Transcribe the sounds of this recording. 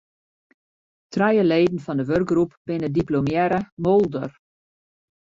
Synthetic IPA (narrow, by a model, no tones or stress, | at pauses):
trɛjəleːdən̩fɔndəʋørɡ̚ɡrupb̥ɪnədiplomjɛɾəmolˠdər